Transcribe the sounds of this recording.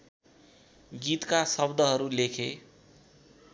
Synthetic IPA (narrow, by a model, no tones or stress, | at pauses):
ɡit̪kasʌbd̪ʱʌɦʌɾulekʰe